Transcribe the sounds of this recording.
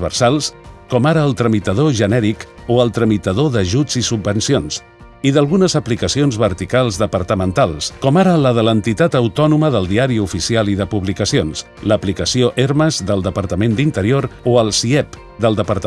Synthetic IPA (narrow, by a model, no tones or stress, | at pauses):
βə̰ɾsalˠskɔmaɾəːlˠt̪ɾəmit̪əðoʒənɛɾikoəlˠt̪ɾəmit̪əðoðəʒud͡zisubbːənsions | iðəlˠɣunəzəplikəsionzβəɾt̪ikalˠzðəpəɾt̪əmənt̪alˠskɔmaɾələðələnt̪it̪at̪əwt̪ɔnuməðəlˠd̪iaɾiufisialiðəpuβlikəsions | ləplikəsioʔeɾməzðəlˠd̪əpəɾt̪əmend̪int̪əɾioɾoəlˠsiɛp | d̪əlˠd̪əpəɾt̪